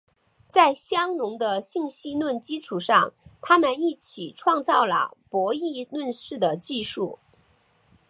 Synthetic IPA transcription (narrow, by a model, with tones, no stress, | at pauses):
t͡sa˥˩ɪɕjɑ˥ŋnʊ˧˥ŋd̪ə˧ɕi˥˩ŋɕi˥nwə˥˩nt͡ɕi˥ʈ͡ʂʰu˨˩ʂɑ̰˥˩ŋt̪ʰa˥mə˨ni˥˩t͡ɕʰi˨˩ʈ͡ʂʰwɑ˥˧ŋt͡sɑ˥˩ʊlə̰˩pwɔ˧˥i˥˧nwə˥˧nʂɻ̩˥˩d̪ə˩t͡ɕi˥˧ʂu˥˩